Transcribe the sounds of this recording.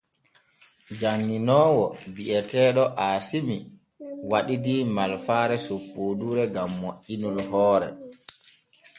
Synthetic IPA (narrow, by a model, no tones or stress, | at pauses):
d͡ʒaŋːinɔːwɔbiʔɛtɛːɗɔʔaːsimi | waɗidimalfaːɾɛsopːoːduɾɛɡamːoʔinulɦɔːɾɛ̰